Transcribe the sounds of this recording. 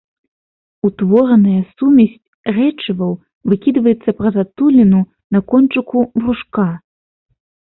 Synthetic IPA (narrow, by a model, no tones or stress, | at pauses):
ut̪vɔɾɐnɐjɐsumʲɐsʲt͡sʲ | rɛt͡ʂɨvɐw | vɨkʲid̪vɐjɛt̪sːɐpɾɐzat̪ulʲinu | nɐkɔnt͡ʂɨkubruʂka